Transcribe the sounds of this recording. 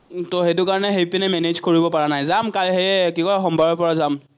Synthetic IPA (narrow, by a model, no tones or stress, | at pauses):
toɦetukaɹɔnɛɦepinɛmɛnezkoɹibɔpaɹanajzamkaɹɦeɛkikɔɹaxɔmbʱaɹɔpɔɹazam